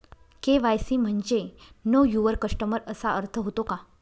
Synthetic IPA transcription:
keʋajsiːm̤əɳd͡ʑenəjuʋəɾkəʂʈəməɾəsaʔəɾt̪ʰəɦot̪oka

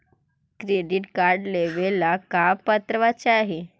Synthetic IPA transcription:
kɾeɖiʈkaɾɖleʋelːakapat̪ɾəʋat͡ɕeaɦe

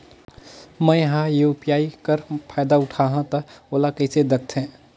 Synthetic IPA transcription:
mɛ̃ːjɦãjeʊpjaːikəɾpʰaːjd̪aʊʈʰaːɦãt̪ɐoːlakəɪsed̪ɐk̚t̪ʰɦɛ̃ː

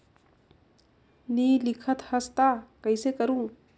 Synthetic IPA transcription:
nilikʰat̪hast̪akajsekaɾuŋ

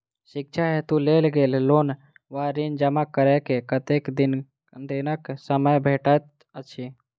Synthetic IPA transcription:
ʃɪk̚t͡ʃʰaɦɛt̪uleːlɡeːlloːn | ʋaɾind͡ʒəmakəɾekekət̪eːkd̪ɪn | d̪enəksəməjbʱeːʈat̪ | ət͡ʃʰi

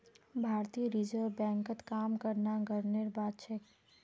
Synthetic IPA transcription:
bʱaːɾt̪iːɾid͡ʒəɾbɛ̃ːŋkət̪kaːmkəɾnaɡəɾneɾbaːd̪t͡ʃe

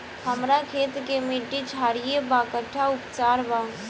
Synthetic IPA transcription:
həmɾakʰeːt̪kemiʈit͡ʃʰaɾijebakəʈʰaʊpt͡ʃaːɾba

